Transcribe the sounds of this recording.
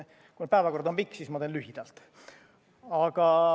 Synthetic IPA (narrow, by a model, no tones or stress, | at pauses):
kune̥pæːvɑko̞rd̪ompikːsiːsmɑt̪eːnlyɦid̪̥ɑlt̪ | ɑɡ̥ɑ